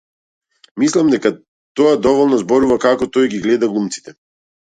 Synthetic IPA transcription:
mislˠamd̪ɛka | t̪ɔad̪ɔvɔlˠnɔzbɔɾuvakakɔt̪ɔjɡiɡlɛd̪aɡlˠumt̪si̥t̪ɛ

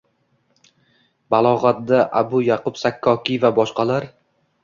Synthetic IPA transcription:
balˠɒʁat̪̚d̪aʔabʊjaqʰʊpsakʰːɒkʲɪvabɒʃqɑlaɾ

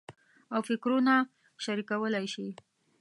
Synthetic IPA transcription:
awfɪkɾuna | ʃaɾikawəlajʃi

